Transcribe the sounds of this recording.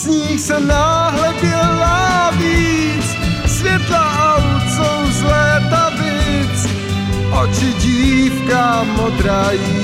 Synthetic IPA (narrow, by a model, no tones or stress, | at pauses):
zɲiːxsɛnaɦlɛbɛnaviːt͡s | svjɛt̪laʔawut̪sowzlɛːt̪abɪt͡s | ʔot͡ʃɪɟiːfka | mod̪ɾaji